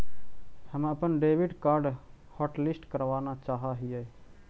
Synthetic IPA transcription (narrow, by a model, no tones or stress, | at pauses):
həməpənɖeːʋɪɖkaːɾɖ | hɔːʈlɪsʈkəɾʋaːnat͡ʃaːɦaɦie